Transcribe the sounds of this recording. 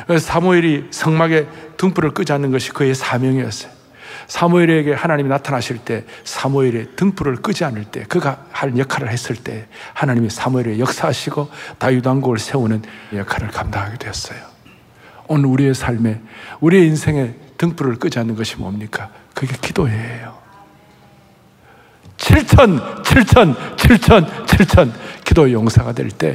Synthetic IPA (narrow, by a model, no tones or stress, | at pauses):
sʰamuiɾisʰʌŋmaɡe̞tɯŋpʰuɾɯɭk͈ɯd͡ʑanɯnɡʌɕʰi̥kɯe̞sʰamjʌŋiʌs͈ʌ̥jo | sʰamuiɾe̞ɡe̞hanaɲiminatʰanɦaɕʰiɭt͈e̞sʰamuiɾetɯŋpʰuɾɯɭk͈ɯd͡ʑianɯɭt͈e̞̰kɯɡahanjʌkʰaɾɯɭhe̞s͈ɯɭt͈e̞̰hanaɲimisʰamuiɾejʌk̚s͈aɦaɕʰiɡotajudaŋɡoɯɭsʰeunɯnjʌkʰaɾɯɭkamdaŋɦaɡed̥we̞ʌs͈ʌjo | onɯɾuɾie̞sʰaɭme̞uɾieinsʰe̞ŋe̞tɯŋp͈uɾɯɭk͈ɯd͡ʑianɯnɡʌɕʰimʌmɲik͈a | kɯɡe̞kid̥oejo | t͡ɕʰiɭt͡ɕʰʌnt͡ɕʰiɭt͡ɕʰʌnt͡ɕʰiɭt͡ɕʰʌnt͡ɕʰiɭt͡ɕʰʌnkidoejoŋsʰaɡadwe̞̰ɭt͈e̞̰